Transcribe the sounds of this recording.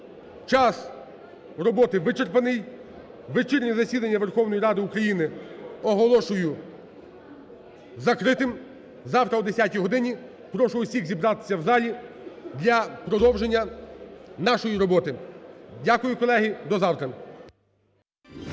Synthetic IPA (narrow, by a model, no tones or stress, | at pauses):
t͡ʃɑs | ɾɔbɔt̪ɪʋɪt͡ʃerpɐnɪj | ʋɪt͡ʃɪrnʲizɐsʲid̪ɐnʲːɐʋe̞rxɔwnɔjiɾɑd̪ɪukɾɐjinɪɔɦɔlˠɔʃʊjʊ | zɐkɾɪt̪ɪm | zɑwt̪ɾɐud̪esʲatʲiɦɔd̪ɪnʲi | pɾɔʃʊʊsʲixzʲibɾɑt̪ɪ̥sʲɐwzɑlʲi | d̪lʲɐpɾɔd̪ɔwʒenʲːɐ | nɑʃɔjiɾɔbɔt̪ɪdʲakʊjʊkɔlˠɛɦɪd̪ɔzɑwt̪ɾɐ